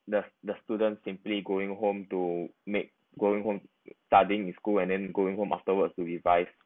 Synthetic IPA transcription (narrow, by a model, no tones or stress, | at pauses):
dədəstudə̃ntsĩmpliɡoɪ̃ŋɦõmtumek̚ | ɡoɪ̃ŋɦõm | stadĩŋĩnskulɛ̃ndɛ̃nɡoĩŋhõmʔa̰ftəwətstuɹivaɪf